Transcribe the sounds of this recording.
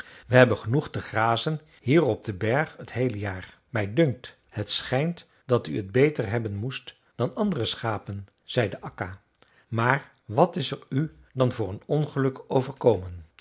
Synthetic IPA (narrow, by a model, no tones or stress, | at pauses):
ʋəɦɛbənχənuχtəχraːzən | hiːrɔb̚dəbɛɹχətɦejləjaːɹ | mɛjdɵŋk̚t | hətsχɛjnt | dɑtyəd̚bejtəɹɦɛbənmust | d̥ɑnɑndərəsχaːpən | z̥ɛjdəʔɑka | maːɹ | ʋɑtɪsɛɹy | dɑnvʊːɹənɔnχəlɵkowvəɹkowmən